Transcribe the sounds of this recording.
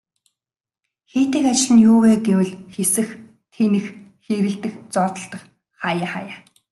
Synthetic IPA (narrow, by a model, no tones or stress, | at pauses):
xeːt̪eːkat͡ɕɪɮɘ̆njʊːweːɡewɘ̆ɮxesɘ̆x | t̪ʰeːnɘ̆xxeːɾɘ̆ɮt̪ɘ̆xt͡sɔːt̪ə̆ɬt̪ə̆χ | χaːjaːχa̰jaː